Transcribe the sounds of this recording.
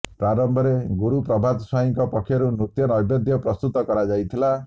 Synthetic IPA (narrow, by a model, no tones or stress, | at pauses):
pɾaɾɔmbʱɔɾeɡuɾupɾɔbʱad̪saɦiŋkɔpɔkʰːjɔɾunut̪jɔnɔjbjɔd̪ʱjɔpɾɔst̪ut̪ɔkɔɾad͡ʒajt̪ʰila